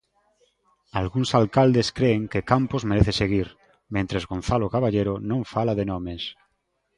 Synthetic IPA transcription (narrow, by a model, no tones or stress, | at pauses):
alɣunsalkald̪eskɾeːŋkekampozmeɾeθeseɣ̞iɾ | mẽnt̪ɾezɣon̟θalokaβaʎeɾonõɱfalaðenõmes